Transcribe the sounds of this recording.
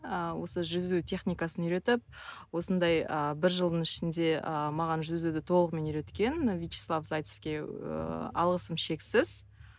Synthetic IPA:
əwo̞səʒʏzut̪ʲʰe̞χnʲijkɑsənʏɾe̞t̪ɪp̚ | wo̞sənd̪ɑjəbɪɾʒəlˠd̪əɴɪʃɪnd̪e̞ʔəmɑʁɑnʒʏzud̪ɪt̪ʰo̞lˠəqme̞nʏjɾe̞t̪kʲe̞nvʲijt͡ʃi̥slˠɑfzajt̪sefkʲe̞̰ | ɑ̰lˠʁəsəmʃe̞ksɪz̥

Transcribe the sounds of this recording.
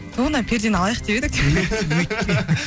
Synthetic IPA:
t̪ʰuʁənɑpʰeɾd̪enɑlˠɑjəq̚d̪e̞bed̪ɪk̚d̪ʰeewɵjt̪ːe

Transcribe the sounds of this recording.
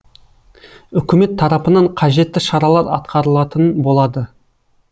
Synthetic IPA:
ʏkʲɪme̞t̪ʰːɑɾɑpənɑɴqʰɑʒe̞t̪ːɪʃɑɾɑlˠɑɾɑ̰t̪qʰɑɾəlˠɑt̪ənbo̞lˠɑd̪ə

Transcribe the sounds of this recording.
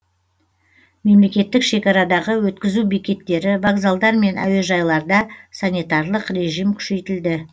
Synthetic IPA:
me̞mle̞kʲe̞t̪ːɪkʃe̞kʲɑɾɑd̪ɑʁəwɵt̪kʲɪzubikʲe̞t̪ːe̞ɾɪvaɡzalˠd̪ɑɾme̞næ̰we̞ʒɑjlˠɑɾd̪ɑsanijt̪ɑrlˠəqre̞ʒijmkʲʰʏ̥ʃe̞jt̪ɪld̪ɪ

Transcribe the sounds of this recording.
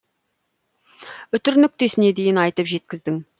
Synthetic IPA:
ʏt̪ʏɾnʏk̚t̪e̞sɪne̞d̪e̞jɪnɑjt̪əpʒe̞t̪̚kʲɪzd̪ɪŋ

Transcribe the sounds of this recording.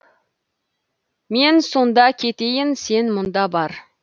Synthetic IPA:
me̞nso̞nd̪ɑkʲʰe̞t̪e̞jɪnse̞nmʊnd̪ɑbɑɾ

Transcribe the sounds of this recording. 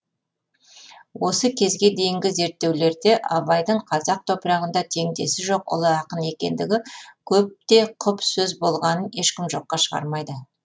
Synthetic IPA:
wo̞səkʲʰe̞zɡʲe̞d̪e̞jɪŋɡʲɪze̞ɾt̪ːe̞wle̞ɾd̪e̞ʔɑbɑjd̪əɴqʰɑzɑq̚t̪ʰo̞pəɾɑʁənd̪ɑt̪ʰe̞ŋd̪e̞sɪʒo̞qʊ̰lˠəɑqəne̞kʲe̞nd̪ɪɡʲɪkʲʰɵp̚t̪e̞qʰʊpsɵzbo̞lˠʁɑnəne̞ʃkʲɪmʒo̞qːɑʃəʁɑ̰ɾmɑjd̪ə

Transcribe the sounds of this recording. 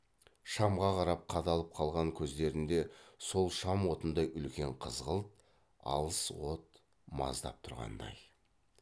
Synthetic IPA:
ʃɑmʁɑqʰɑɾɑp̚qʰɑd̪ɑlˠəp̚qʰɑlˠʁɑŋkʲʰɵzd̪e̞ɾɪnd̪e̞so̞lˠʃɑmwo̞t̪ənd̪ɑjʔʏlkʲe̞ɴqʰəzʁəlˠt̪̚ | ɑ̰lˠəswo̞t̪ | mɑ̰zd̪ɑ̰p̚t̪ʰʊɾʁɑ̰nd̪ɑ̰j

